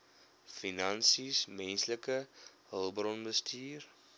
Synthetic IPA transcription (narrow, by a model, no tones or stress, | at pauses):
finɐnsismɛnsləkəɦəlˠbrɔnbəstʰiːr